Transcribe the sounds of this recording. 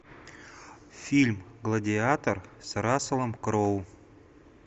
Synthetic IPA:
fʲilʲmɡlˠədʲɪat̪ərsɾasəlˠəmkɾow

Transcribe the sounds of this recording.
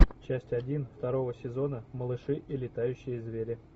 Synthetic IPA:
t͡ɕæsʲtʲɐdʲinft̪ɐɾo̞vəsʲɪzo̞nəməlˠɨʂɨʔilʲɪt̪ajʉɕːɪjəzvʲeɾʲɪ

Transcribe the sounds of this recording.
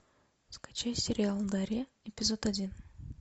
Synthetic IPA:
skat͡ɕajʲsʲɪɾʲɪalˠmd̪aɾʲe | epʲɪzot̪adʲin

